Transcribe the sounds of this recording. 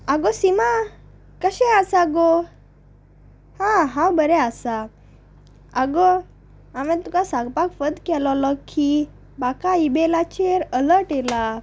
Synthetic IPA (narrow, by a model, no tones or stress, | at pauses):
aɡosima | kəɕɛ̃asaɡo | hãɦãwbəɾɛasa | aɡɔ | amɛ̃t̪ukasãɡpakfəd̪kɛlɔlɔkʰːi | bakaibelat͡ɕeɾələʈela